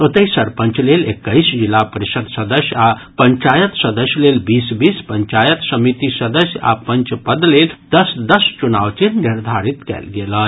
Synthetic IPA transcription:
ot̪əisəɾpəɲt͡ʃlelekːəisd͡ʑilapəɾisəd̪səd̪əsjapəɲt͡ʃajət̪səd̪əsjlelbiːsbiːspəɲt͡ʃajət̪səmit̪isəd̪əsʲja̰pəɲt͡ʃpəd̪leld̪̥əsd̪əst͡ʃunawt͡ʃeniɾd̪ʱaɾit̪kɛ̰lɡelə

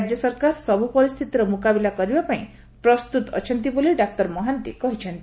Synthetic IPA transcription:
d͡ʒjʌsʌɾkaɾsʌbʱupʌɾist̪ʰit̪iɾʌmukabilakɔɾibapaĩ | pɾʌst̪ut̪ʌ̰t͡ʃʰʌnt̪̬iboleɖak̚ʈʌɾmʌɦant̪ekʌɦit͡ʃʰʌnt̪i

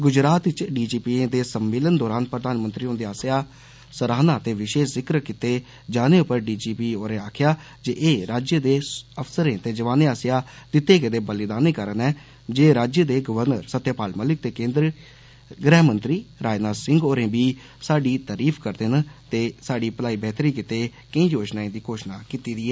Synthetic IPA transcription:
ɡʊd͡ʒɾaːt̪ɪt͡ʃɖiːd͡ʒiːpiːẽd̪eːsəmːeːlənd̪ɔːɾaːnpɾəd̪aːnmənt̪ɾiːɦʊnd̪eːaːsjaː | səɾaːnaːt̪eːʋɪʃeːszɪkəɾkɪt̪eː | d͡ʒaːneːʊpəɾɖiːd͡ʒiːpiːoːɾẽːaːkʰjaː | d͡ʒeʔeːɾaːd͡ʒjəd̪eːəpʰsəɾẽːt̪eːd͡ʒəʋaːneːaːsjaːd̪̥ɪt̪ːeːkɪd̪eːbəlɪd̪aːniːkəɾənɛː | d͡ʒeːɾaːd͡ʒjəd̪eːɡəʋəɾnə̰ɾsət̪ːjaːpaːlməlɪk̚t̪eːkẽːnd̪ɾ | ɡɾɛːɦmənt̪ɾiːɾaːd͡ʒnaːsɪ̃ŋɡoːɾẽːbiː | saːɖiːt̪aːɾiːpʰkəɾd̪ɪnt̪eːsaːɖiːpəlaːiːbɛːt̪ɾiːkɪt̪eː | kə̃ĩːd͡ʒoːʃnaːĩːd̪iːkoːʃnaːkit̪iːd̪iːɛː

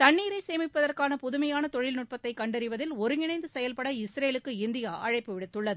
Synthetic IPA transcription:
t̪ɐɳːiːɾɐɪseːmɪpːɐðɐrkaːnɐpʊðʊmɐjaːnɐt̪ɔɻɪlnʊʈ̚pɐt̪ːɐɪkːɐɳɖɐɾɪʋɐðɪlɔɾɯɪnɐɪnd̪ɯsɛjɐlpɐɽɐɪsɾeːlɯkːɯɪnd̪ɪjaːʔɐɻɐɪpːɯʋɪɽɯt̪ːɯɭːɐðɯ

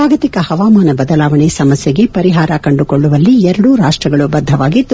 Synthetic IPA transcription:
aːɡɐt̪ikɐhɐʋaːmaːnɐbɐd̪ɐlaːʋɐɳesɐmɐsjɐɡe̞pɐɾiɦaːɾɐkɐɳɖukoɭːuʋɐlːiɛɾɐɽuɾaːʂʈɾɐɡɐɭubɐd̪ʱːɐʋaːɡit̪ː

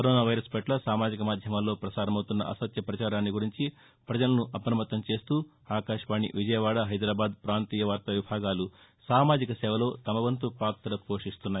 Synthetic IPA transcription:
kkɐɾoːnaːʋɐjɾɐspɐʈlɐsaːmaːd͡ʒikɐmaːd̪ʱjɐmɐlːo̞ːpɾɐsaːɾɐmɐwt̪unːɐ̰ʔɐ̰sɐt̪jɐpɾɐt͡ʃaːɾaːnːiɡuɾiɲt͡ʃi | pɾɐd͡ʒɐlɐnuʔɐpɾɐmɐt̪ːɐmt͡ʃe̞ːst̪uː | aːkaːʂʋaːɳḭʋid͡ʒɐjɐʋaːɽɐɦɐjd̪ɾaːbaːd̪̚pɾaːnt̪iːjɐʋaːɾt̪ɐʋibʱaːɡaːlu | saːmaːd͡ʒikɐsɛːʋɐlo̞ːt̪ɐmɐʋɐnt̪upaːk̚t̪ɐɾɐpo̞ːʂist̪unːaːj

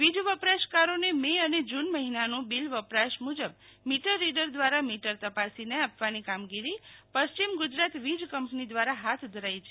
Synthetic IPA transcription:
ʋid͡ʒʋəpɾaʃkaɾonemeəned͡ʒunməɦinanũbilʋəpɾaʃmud͡ʒəbmiʈəɾːiɖəɾd̪ʋaɾamiʈəɾt̪əpasineapʋanikamɡiɾipəst͡ʃimɡʊd͡ʒɾat̪ʋid͡ʒkəmpnid̪ʋaɾaɦat̪ʰd̪ʱəɾajt͡ʃʰe

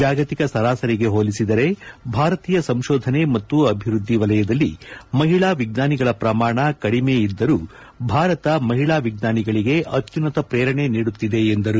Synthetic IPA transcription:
d͡ʒaːɡɐt̪ikɐsɐɾaːsɐɾiɡe̞ɦoːlisid̪ɐɾe̞bʱaːɾɐt̪iːjɐsɐmʃɔːd̪ʱɐne̞mɐt̪ːuɐbʱiɾud̪ʱːiʋɐlɐjɐd̪ɐlːḭmɐɦiɭaːʋiɡnaːniɡɐɭɐpɾɐmaːɳɐkɐɽimejid̪ːɐɾu | bʱaːɾɐt̪ɐmɐɦiɭaːʋiɡ̚naːniɡɐɭiɡe̞ʔɐt̪ːjunɐt̪ɐpɾɛːɾɐɳeniːɽut̪ːid̪e̞ːnd̪ɐɾu

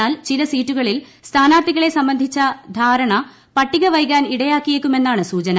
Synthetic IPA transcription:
aːlt͡ɕilɐsiːtːuɣɐɭilst̪ʰaːnaːrt̪iɣɐɭe̞sɐmbɐnd̪ʱit͡ɕːɐd̪ʱaːɾɐɳɐ | pɐʈːiɣɐʋɐjkːaːniɽɐjaːkːijekʲːume̞nːaːɳɨsuːt͡ɕɐnɐ

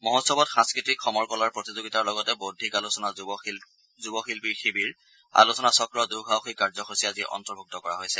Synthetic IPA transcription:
mɔɦɔtsɔbɔtxãnskɹitikxɔmɔɹkɔlaɹpɹotizoɡitaɹlɔɡɔtɛbodʱːikalusɔna | zubɔxilpiɹxibiɹ | a̰lusɔnasɔkɹɔduɡawxikaɹzɔxosiaziʔɔ̰ntɔɹbʱuk̚tɔkɔɹa̰ɦojsɛ

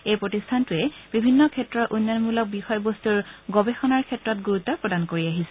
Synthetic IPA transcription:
ejpɹotistʰantuɛb̥ibʱinːɔkʰɛtɹɔɹʔunːanmulɔk̚bixɔjbostuɹɡɔbexɔnaɹkʰɛtɹɔtɡuɹutːɔpɹɔdankoɹiaɦisɛ̥

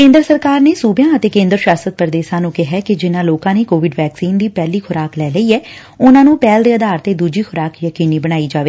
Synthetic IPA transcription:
kẽːnd̪ɾəsəɾkaːɾneːsuːbjãːət̪eːkẽːnd̪əɾʃaːsət̪̚pəɾəd̪eːsãːnũːkɪɦɛːkɪd͡ʒɪnãːloːkãːneːkoːʋɪɖʋɛːksiːnd̪iːpɛːliːkʰʊɾaːklɛːləiːɛː | ʊnãːnũːpɛːld̪eːəd̪aːɾt̪eːd̪uːd͡ʒiːxʰʊɾaːkjəkiːniːbəɽ̃aːiːd͡ʒaːʋeː

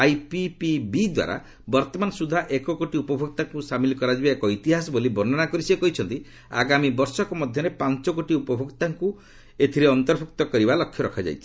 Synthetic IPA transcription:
ajpipibid̪wa̰ɾa̰ | bɔɾt̪ɔmansud̪ʱaʔekɔkoʈiupɔbʱoɡ̚t̪aŋkusamilkɔɾad͡ʒibaekɔit̪iɦas̬ɔbolibɔnɔnakɔɾisekɔɦit͡ʃʰɔnt̪i | a̰ɡamibɔɾsɔkɔmɔd̪ʱjɔɾepant͡ʃɔkoʈiupɔbʱoɡt̪aŋku | et̪ʰiɾeɔnt̪ɔɾbʰʱuk̚t̪ɔkɔɾibalɔkʰjɔɾɔkʰad͡ʒa̰jt͡ʃʰi̥

